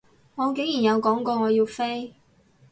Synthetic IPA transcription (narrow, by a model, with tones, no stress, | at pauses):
ŋɔː˨˧ke˨˥jiː˨˩njɐ˨˧wkɔː˨˥ŋkɔː˧ŋɔː˨˧jiː˧wfe˥j